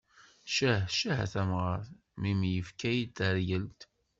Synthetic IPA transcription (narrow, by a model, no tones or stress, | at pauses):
ʃəhʃæhæ̰θæmʁaɾθ | mimjəfkæjd̪æɾjəlt̪